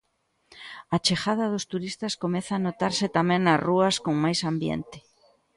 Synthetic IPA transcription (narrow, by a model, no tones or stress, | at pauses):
at͡ʃexaðɐðʊst̪uɾist̪ɐskomɛθaːnot̪aɾsɪt̪amɛ̃ŋnɐzruɐskoŋmajsambjḛnt̪ɪ̥